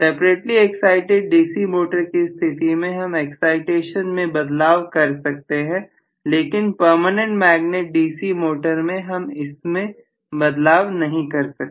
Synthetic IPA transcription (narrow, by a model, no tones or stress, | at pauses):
sɛːpɾeːʈliɛksaːɪʈeɖ̚ɖiːsimoːʈəɾkest̪ʰɪt̪imẽɦɐmɛksaːɪʈeːʃənmẽbɐd̪laːʋkɐɾsɐk̚t̪eɦɛ̃ː | leːkɪnpəɾmənẽɳʈmɛːɡneːʈ̚ɖiːsimoːʈəɾmẽɦɐmɪsmẽ | bɐd̪laːʋnɐɦĩkɐɾsɐkː